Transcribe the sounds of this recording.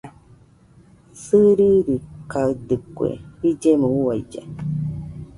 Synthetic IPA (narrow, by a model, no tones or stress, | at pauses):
sɨɾiɾikaɯd̪ɨkwḛid͡ʒemũuwajd͡ʒa̰